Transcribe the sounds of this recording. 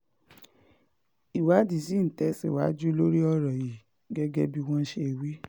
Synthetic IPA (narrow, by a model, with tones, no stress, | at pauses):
i˨wa˨˦di˨˦sĩ˦n̩˨tɛ˨˦sḭ˦˨wa˨˦d͡ʒu˦lo˦ɾi˦ɔ˦ɾɔ˨ji˨ | ɡɛ˦ɡɛ˦bi˧w̃ɔ̃˦n̩˦ʃe˧˦˨wi˦